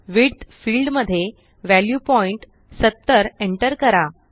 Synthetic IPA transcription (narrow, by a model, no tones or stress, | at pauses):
ʋiɽd̪fiːlɖməd̪ʱːje | ʋæljupɔiɳʈ | sət̪ːəɾeɳʈəɾkəɾa